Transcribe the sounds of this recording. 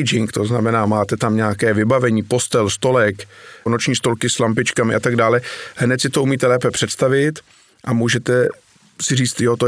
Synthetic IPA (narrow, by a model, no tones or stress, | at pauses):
d͡ʒɪŋkt̪o̞znamɛnaːmaːt̪ɛt̪amɲɛakɛːvɪbavɛɲiːpo̞st̪ɛlst̪o̞lɛkno̞t͡ʃɲiːst̪o̞lkɪslampɪt͡ʃkamɪ̰ʔat̪aɡdaːlɛɦnɛt̪sɪt̪oumiːt̪ɛlɛːpɛpr̝̥ɛt̪st̪avɪt̪ | ʔamuːʒɛt̪ɛ | sɪriːt͡st̪jot̪o